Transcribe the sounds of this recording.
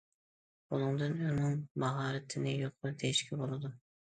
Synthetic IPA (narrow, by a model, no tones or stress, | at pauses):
bunˠɨŋd̪ɨnønʊŋbɑɦɑːɾɨt̪ʰɪnɪjoq̚ʊld̪ejiʃkʲʰɛbolˠɨd̪ʊ